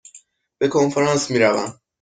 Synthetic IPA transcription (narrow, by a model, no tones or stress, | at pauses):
b̥e̞kʰo̞nfeɾɑːnsmiːɾævæ̰m